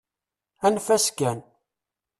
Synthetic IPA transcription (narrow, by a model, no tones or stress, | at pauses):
ænfæskæn